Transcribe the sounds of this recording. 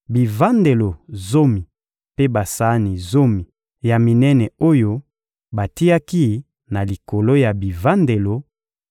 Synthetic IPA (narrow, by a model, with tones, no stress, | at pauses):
bi˨va˦nde˨lo˨zo˦mi˨ | pe˦ba˨sa˦ni˨zo˦mi˨ | ja˨mi˨nɛ˦nɛ˨o˦jo˦ | ba˨ti˦ja˦ki˦ | na˨li˨ko˨lo˦ja˨bi˨va˦nde˨lo˨